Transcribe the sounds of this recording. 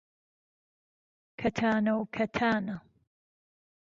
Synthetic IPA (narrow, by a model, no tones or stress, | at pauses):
kʰɐt̪ʰaːnɐwkʰɐt̪ʰaːna